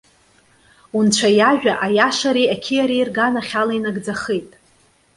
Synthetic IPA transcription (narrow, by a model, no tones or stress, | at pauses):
unt͡ʃʷʰajaʒᶣaʔajaʂaɾiakʲʰijaɾiːrɡanaχʲalainaɡd͡zaχejtʼ